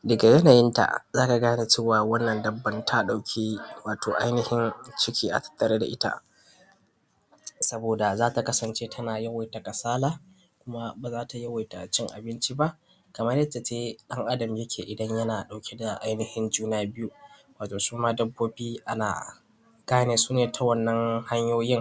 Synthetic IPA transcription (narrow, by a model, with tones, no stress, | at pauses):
dɐ˨ɡa˨jɐ˦naː˨jɪ˦nta̰˨zaː˦ka˨ɡaː˦na˨t͡ʃeː˦waː˨wɐ˦nːɐ˨ndɐ˨bːɐ˦ntʰa˦ɗa˨wkʲʰiː˦waː˨tʰoː˨ʔa̰˦jnɪ˨hɪ˦nt͡ʃɪ˦kʲʰiː˦ʔa̰˨tʰɐ̥˦tʰːɐ˨ɾeː˦da̰˨ʔɪ˦ta̰˦ʔ | sɐ˦boː˨da˨zaː˦ta˨kɐ˦sɐ˨nt͡ʃeː˦tʰɐ˦naː˨jɐ˦wa˨jta˨ka˨saː˦laː˦ | kʷʊ˦ma˦baː˨zaː˦tʰa˨jɐ˦wa˨jta˨t͡ʃɪ˦ŋʔa̰˨bɪ˦nt͡ʃi˦ba˦ʔ | kɐ˨mɐ˦rjɐ˦tːa˨t͡ʃeː˦ɗɐ˦ŋʔa˦dɐ˨mjɐ˦kʲʰeː˨ʔɪ˨dɐ˦ɲjɐ˦naː˨ɗa˨wkʲʰe˦da˨ʔa˦jnɪ˨hɪ˦nd͡ʒuː˦naː˦bɪ˦ju˦ | waː˨toː˨suː˦maː˦dɐ˦bːoː˦biː˦ʔa˦na̰ː˨ | ɡ̥aː˦neː˨suː˦neː˨tʰa˦wɐ˦nːɐ˦ŋha˦ɲjoː˦jɪ˦ŋ